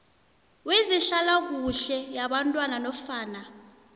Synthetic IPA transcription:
wizinɬalak̬uɬɛjaɓantʼwananɔfaːna

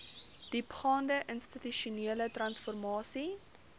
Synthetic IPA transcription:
d̥ipχɑːndəʔənstityʃuniələtrɐnsfɔrmɑːsi

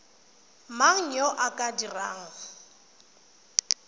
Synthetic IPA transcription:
maŋ̩ɲɔʔakʼadiraːŋ̩

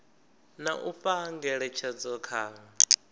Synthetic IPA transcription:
naʔuɸaŋɡɛɺɛt͡ʃʰad͡zɔkʰaːŋa

